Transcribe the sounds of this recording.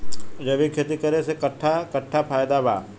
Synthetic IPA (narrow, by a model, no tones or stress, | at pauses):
ɾɐʋikʰjet̪ikɐɾesekɐʈʰːakɐʈʰːapʰaːjd̪aba̰ː